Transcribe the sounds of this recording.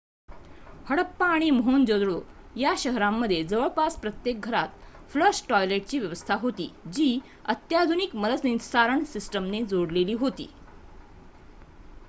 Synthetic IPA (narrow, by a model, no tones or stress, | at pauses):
həɽəpːaːɽ̃imɦond͡ʑod̪ɭo | jaɕəɦɾamːəd̪ʱːjed͡zəʋəɭpaspɾət̪jek̚ɡʱəɾat̪ | fləɾsʈɔjleʈ̚t͡ɕiːʋjəʋəst̪ʰaɦot̪ḭːd͡ʑiː | ət̪jad̪ʱunikməd̪əsnĩt̪saɾəɳsisʈəmned͡zoɽleliːɦot̪ḭː